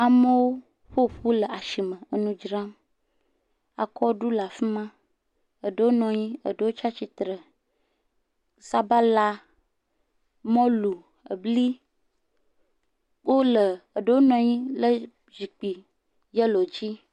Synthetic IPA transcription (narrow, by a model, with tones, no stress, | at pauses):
a˨mə˦wo˦ | ɸo˦ɸu˦lə˨a˨ʃi˨mə̃˨ə˨nũ˦d͡ʒɾa˦m | a̰˨kɔ˦ɖu˦la˨fi˦mã˦ | ə˨ɖə˦wo˦nɔ̃˨ɲĩ˦ə̰˨ɖə˦wo˦t͡ʃa˦t͡ʃi˦t̪ɾə˨ | sa˦ba˦la˦ | mɔ̃˦lu˨ | ə̰˨bli˦ | wo˦lə˨ə˨ɖə˦wo˦nɔ̃˨ɲĩ˦lə˦ | zi˨k͡pi˨ | jə˦lo˨d͡ʑi˦